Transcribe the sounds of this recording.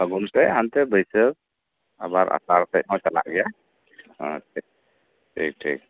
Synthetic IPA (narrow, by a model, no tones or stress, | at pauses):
əɡunsɛɦant̪ɛbəjsək | a̰baɾʔa̰saɾt̪əc̚ˀhɔ̃t͡ʃala̰ʔɡɛja | hã̰ʈʰik̚ | ʈʰḭk̚ʈʰḭk̚